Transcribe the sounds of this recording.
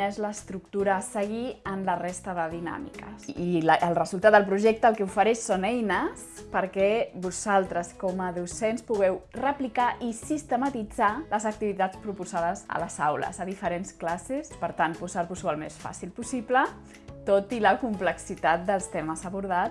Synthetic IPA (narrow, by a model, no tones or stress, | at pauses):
ezləːst̪ɾuk̚t̪uɾəːsəɣiənlərest̪əðəðina̰mḭkə̰siəlˠrəzulˠt̪at̪̚d̪əlˠpɾuʒɛk̚t̪əːlˠkɛufəɾɛʃsonɛjnəspəɾkɛbuzalˠt̪ɾəskoməðusenspuɣɛwrəplikaʔisist̪əmat̪id͡zaləzək̚t̪iβit̪at͡spɾupuzaðəzə̰ləzawlə̰zəðifəɾensklasespəɾt̪anpuzaɾβusualˠmḛsfa̰silˠpusiplə | t̪ot̪iləkumpləksit̪at̪̚d̪əlˠst̪eməzəβuɾða